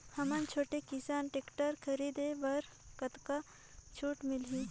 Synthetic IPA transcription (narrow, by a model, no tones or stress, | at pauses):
hɐmənt͡ʃʰoːʈekɪsaːnʈekʈəɾkʰɐɾiːd̪ebɐɾ | kɐt̪ka | t͡ʃʰuːʈmɪlɦĩː